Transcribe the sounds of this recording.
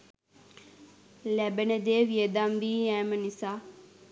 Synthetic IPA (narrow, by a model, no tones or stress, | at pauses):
lɛbənəd̪eːʋiəd̪amʋiːɛːmənisaː